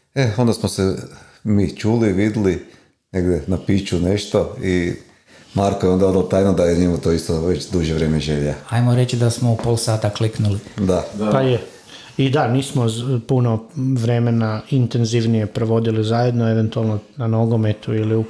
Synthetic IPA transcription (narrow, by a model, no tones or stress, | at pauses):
eond̪asmose | miːt͡ʃuːliʋid̪li | neɡd̪enapiːt͡ʃuneʃt̪oi | maɾkojeo̞nd̪aod̪alot̪aːjnod̪ajeɲemut̪o̞ist̪oʋet͡ʃd̪uʒeʋɾeːmeʒelaajmoɾet͡ʃid̪asmoupoːlˠsaːt̪akliknulid̪apaje | id̪aniːsmopunoʋɾemenaint̪enziʋnije̞pɾoʋo̞d̪ilizaːje̞d̪noeʋe̞nt̪ualˠnonanoɡome̞t̪uiliu